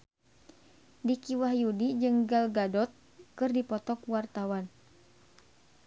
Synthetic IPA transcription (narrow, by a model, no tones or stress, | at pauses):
dikiwahjudid͡ʒɨŋɡalɡadɔt̪̚ | kɨrdipɔt̪ɔkwart̪awan